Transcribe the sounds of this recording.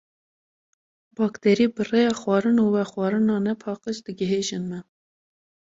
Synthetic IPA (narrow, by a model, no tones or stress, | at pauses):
bɑːkt̪ʰɛɾiːbɨrejɑːxwɑːɾɨnuːwɛxwɑːɾɨnɑːnɛpʰɑːqəʃd̪ɨɡəɦeːʒɨnmɛ